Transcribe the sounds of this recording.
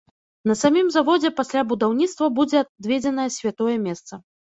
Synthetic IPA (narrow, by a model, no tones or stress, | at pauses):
nɐsamʲimzavɔd͡zʲɛpasʲlʲabud̪awnʲit̪st̪vɐbud͡zʲɛd̪vʲed͡zʲɛnɐjɛsʲvʲat̪ɔjɛmʲɛst̪sɐ